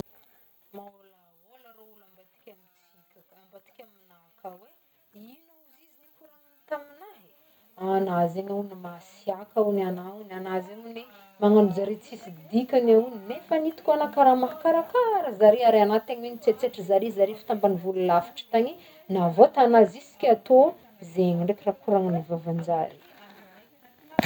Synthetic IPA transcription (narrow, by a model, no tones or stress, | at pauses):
maolaolaɾaulambat̪i̥kʲamit͡sikʲə̥mbat̪i̥kʲamanakawe | inauzizinikuɾanant̪aminaɦ | anazenaunimasiakaunanaunanazenune | maŋanud͡zaɾet͡sisid̪ikʲanauninefanit̪i̥kʲuanakaɾamaɦakaɾakaaɾəzaɾeaɾanat̪aɲwenit͡set͡seʈ͡ʂəzaɾezaɾefi̥t̪ambanivululafi̥ʈ͡ʂə̥t̪aɲi | navot̪anazisi̥kʲat̪o | zeɲiɳɖ͡ʐekrakuɾaŋanivavand͡ʒaɾi̥